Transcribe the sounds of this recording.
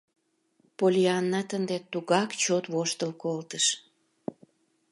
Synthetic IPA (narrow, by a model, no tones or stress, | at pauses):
polʲiɑnːɑt̪ənd̪et̪uɣɑkt͡ɕot̪βoʃt̪əlkolt̪əʃ